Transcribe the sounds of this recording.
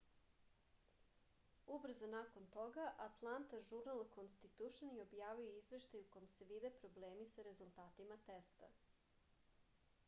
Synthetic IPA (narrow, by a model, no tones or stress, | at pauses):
ubr̩zonako̞nt̪o̞ɡaʔat̪lˠant̪aʒuɾnalˠkonst̪it̪uʃonɛo̞bjaːʋioizʋe̞ʃt̪ajuko̞jemse̞ʋid̪e̞pɾo̞bleːmisaɾe̞zulˠt̪aːt̪imat̪est̪a̰